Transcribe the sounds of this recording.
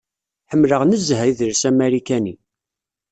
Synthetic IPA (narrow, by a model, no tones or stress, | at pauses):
ħəmːləʁnəzːɦæjðəɾsæmæɾikæni